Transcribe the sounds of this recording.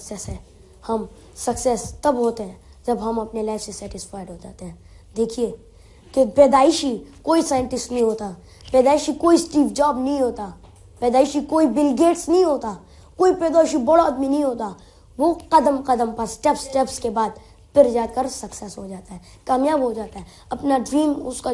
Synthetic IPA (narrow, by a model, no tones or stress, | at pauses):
ksɛsɦɛː | hɐm | sɐksɛst̪ɐbɦoːt̪eɦɛ̃ː | d͡ʒɐbɦɐmɐpnelɛːksesɛːʈɪsfaːɪɖɦoːd͡ʒa̰ːt̪eɦɛ̃ːd̪eːkʰie | kepɛːd̪aːɪʃikoːisaːjə̃ɳʈɪsʈnɐɦĩɦoːt̪a | pɛːd̪aːɪʃikoːisʈiːpd͡ʒaːbnɐɦĩɦoːt̪a | pɛːd̪aːɪʃikoːibɪlɡeːʈsnɐɦĩɦoːt̪a | koːipɛːd̪aːɪʃibɐɽoɐd̪minɐɦĩɦoːt̪a | ʋoːqɐd̪əmqɐd̪əmpɐɾsʈɛpsʈɛːpskebaːd̪ | pʰɪɾd͡ʒaːd̪kɐɾsɐksɛsɦod͡ʒaːt̪aɦɛ | kaːmjaːbɦod͡ʒaːt̪aɦɛ | ɐpnaɖɾiːmʊska